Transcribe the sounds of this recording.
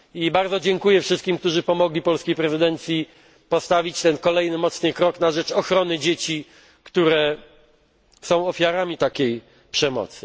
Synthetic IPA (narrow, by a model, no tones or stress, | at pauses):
ibaɾd̪zɔd͡ʑɛŋkujɛfʂɘst̪̚kʲimk̚t̪uʐɘpɔmɔɡlʲipɔlskʲejpɾɛzɘd̪ɛnt̪sʲji | pɔst̪avʲit͡ɕt̪ɛnkɔlɛjnɘmɔt̪snɘkɾɔknaʐɛt͡ʂɔxɾɔnɘd͡ʑet͡ɕi | kt̪uɾɛ | sɔ̃w̃ɔfʲjaɾamʲit̪akʲej | pʂɛmɔ̰t̪sɘ